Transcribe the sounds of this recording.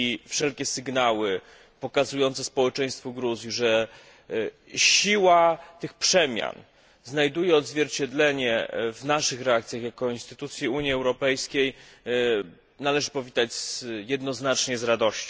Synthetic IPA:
ifʂɛlkʲɛsɘɡnawɘ | pɔkazujɔnt̪sɛspɔwɛt͡ʂɛj̃st̪fɔɡɾuzʲjiʐɛ | ɕiwat̪ɘxpʂɛmʲja̰n | znajd̪ujɛɔd̪zvʲjɛɾt͡ɕɛd̪lɛɲɛvnaʂɘxɾɛakt̪sʲjaxjakɔinst̪ɘt̪ut̪sʲjiuɲjiɛwɾɔpɛjskʲej | nalɛʐɘpɔvʲit̪ad͡ʑzjɛd̪nɔznat͡ʂɲɛzɾad̪ɔɕt͡ɕɔ̃

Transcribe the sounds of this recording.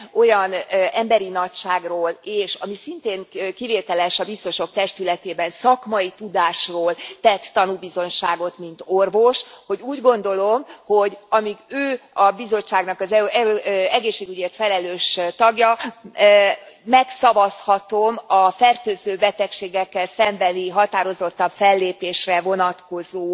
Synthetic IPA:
o̞jɒnɛmbɛɾinɒcʃaːɡroːleːʃɒmisint̪eːŋkiveːt̪ɛlɛʃɒbist̪o̞ʃo̞k̚t̪ɛʃt̪ylɛt̪eːbɛnsɒkmɒit̪ud̪aːʃroːlt̪ɛt̪ːɒnubizo̞nʃaːɡo̞t̪mint̪orvo̞ʃho̞ɟuːɟɡo̞n̪d̪o̞lo̞mho̞ɟɒmiɡøːɒbizo̞t͡ʃːaːɡnɒkɒzɛ | ɛɡeːʃːeːɡyɟeːrt̪fɛlɛløːʃt̪ɒɡjɒ | mɛksɒvɒshɒt̪o̞mɒfɛrt̪øːzøːbɛt̪ɛkʃeːɡɛkːɛlsɛmbɛniɦɒt̪aːɾo̞zo̞t̪ːɒɱfɛlːeːpeːʃrɛvo̞nɒt̪ko̞zoː

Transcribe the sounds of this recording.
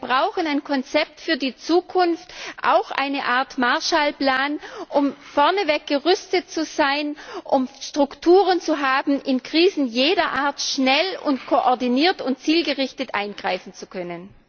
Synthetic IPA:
bʁaʊxənaɪnkʰɔnt͡sɛp̚tfyːɐdiːt͡suːkʰʊnftʔa̰ʊxʔa̰ɪnəʔaːɐtmaɐʃaːlpl̥aːnʔʊmfɔɐnəvɛk̚ɡ̥əʁʏstət̚t͡suzaɪnʔʊmʃtʁ̥ʊktʰuːʁənt͡suɦaːbm̩ʔɪnkʁ̥iːzn̩jeːdɐʔaːɐtʃnɛlʊntkʰoʔɔɐdiniːɐtʊnt̚t͡siːlɡəʁɪçtətʔaɪnɡʁaɪfn̩t͡sukʰœnən

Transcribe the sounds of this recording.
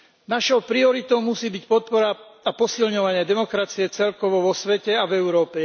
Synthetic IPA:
naʃɔʊpɾiɔɾit̪ɔʊmusiːbicpɔt̪̚pɔɾaapɔsilɲɔʋaɲɪad̪ɛmɔkɾat͡siɛt͡sɛlkɔʋɔʋɔsʋɛcɛavɛʊɾɔːpɛ

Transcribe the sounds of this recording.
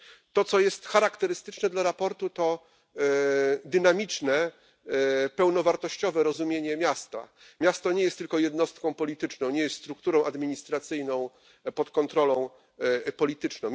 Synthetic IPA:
t̪ɔt̪sɔjɛst̪xaɾakt̪ɛɾɘst̪ɘt͡ʂnɛd̪laɾapɔɾt̪ut̪ɔ | d̪ɘnamʲit͡ʂnɛ | pɛwnɔvaɾt̪ɔɕt͡ɕɔvɛɾɔzumʲjeɲɛmʲjast̪a̰ | mʲjast̪ɔɲɛjɛst̪ːɘlkɔjɛd̪nɔst̪̚kɔ̃w̃pɔlʲit̪ɘt͡ʂnɔ̃w̃ɲɛjɛst̪st̪ɾukt̪uɾɔ̃w̃ʔad̪mʲiɲist̪ɾat̪sɘjnɔ̃w̃ | pɔt̪kɔnt̪ɾɔlɔ̃w̃ | pɔlʲit̪ɘt͡ʂnɔ̃w̃

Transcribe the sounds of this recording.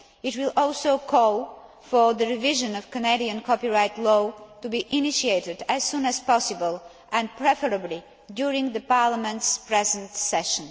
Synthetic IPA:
ɪtwɪlˠɔlˠsoʊkʰɔlˠ | fɔ˞ðəɹɪvɪʒɨ̃nɔv̥kənediə̃nkʰɔpiɹaɪtlɔtubiʔɪnɪʃieɪtɪdæz̥sũnæz̥pɔsɪbəlˠ | ɛ̃npɹɛfəɹəbli | djʊɹɪ̃ŋɡðəpaɹləmɛ̃ntspɹɛzə̃ntsɛʃə̃n

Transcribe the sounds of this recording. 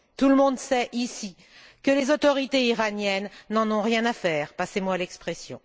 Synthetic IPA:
t̪uləmɔ̃d̪sɛʔisi | kəlezot̪ɔʁit̪eiʁanjɛnːɑ̃nɔ̃ʁjɛ̃nafɛːʁpasemwalɛkspχɛsjɔ̰̃

